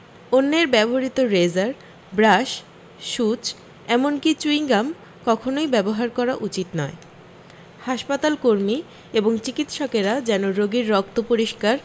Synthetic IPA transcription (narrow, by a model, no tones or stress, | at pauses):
onːeɾbɛboɦaɾit̪oɾed͡ʑaɾ | bɾaʃ | ʃut͡ɕ | ɛmonkit͡ɕuiŋɡam | kɔkʰonojbɛboɦaɾkɔɾaʔut͡ɕit̪nɔe | haʃpat̪alkoɾmi | eboŋt͡ɕikit̪ʃɔkeɾad͡ʑɛnoɾoɡiɾːɔk̚t̪opoɾiʃkaɾ